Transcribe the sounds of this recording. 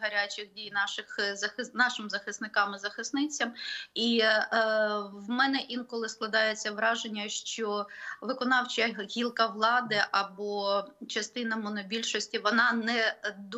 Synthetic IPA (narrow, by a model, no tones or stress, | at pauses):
ɦɐɾʲat͡ʃɪxdʲijnɑʃɪxɐxɪnɑʃɪmzɐxɪsnɪkɑmɪzɐxɪsnɪt͡sʲɐmi | ʋmɛnɛʔinkɔlˠɪsklˠɐd̪ɑjet͡sʲːɐʋɾɑʒenʲːɐʃt͡ʃɔʋɪkɔnɑwt͡ʃɐɦʲilˠkɐʋlˠɑd̪ɪʔɐbɔt͡ʃɐst̪ɪnɐmɔnɔbʲilʲʃɔsʲtʲiʋɔnɑnɛd̪